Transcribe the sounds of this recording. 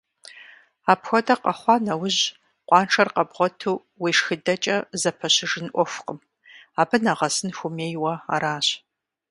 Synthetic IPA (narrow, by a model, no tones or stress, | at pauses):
aːpxʷɔdɐqɐχʷɑːnɐwʊʑ | qʷʼɑːnʈ͡ʂʰɐrqɐbʁʷɔtʰuː | wiːʂxɨdɐt͡ʃʼɐzɐpʰɐɕɪʒɨnʔʷɔfʷqəm | aːbɨnaʁɐsɨnxʷʊmeːjwɐa̰ːɾaːɕ